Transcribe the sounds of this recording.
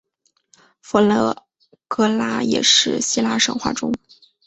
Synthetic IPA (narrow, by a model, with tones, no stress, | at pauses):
fə˧˥lɤ˧˩ | kɤ˥la˥jɛ̰˨˩ʂɻ̩˥˧ɕi˥la˥ʂɤ̰˨˩ŋxwa̰˥˩ʈ͡ʂʊ˥ŋ